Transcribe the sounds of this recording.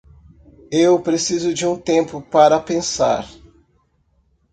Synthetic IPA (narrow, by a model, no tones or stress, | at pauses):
ewpɾesizʊd͡ʒɪũt̪ẽmpʊpaɾɐpẽsa̰ɾ